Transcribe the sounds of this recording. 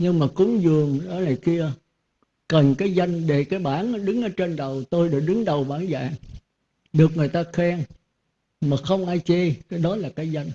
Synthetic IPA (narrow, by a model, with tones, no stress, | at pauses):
ɲɨ˧ŋmaː˨˩kʊ˨˦ŋ͡mzɨ˨˩əŋɗɔ˨˦naː˨˩jki˧ə | kə˨˩nkaː˨˦jza˧jŋ̟ɗe˧˨˩kaː˨˦jɓaː˧˩nʔa˨˧˦ɗɨ˨˦ŋʔəː˨˧˦t͡ɕe˧nɗə˨˩wt̪o˧jɗɨ˨˩k̚ɗɨ˨˦ŋɗə˨˩wɓaː˧˩nza̰ː˧˨ŋ | ɗɨ˨˩ək̚ŋɨ˨˩əjt̪aː˧xɛ˧ŋ | maː˨˩xə˧wŋ͡mʔaː˧jt͡ɕe˧kaː˨˦jɗɔ˨˦laː˨˩kaː˨˦jza˧jŋ̟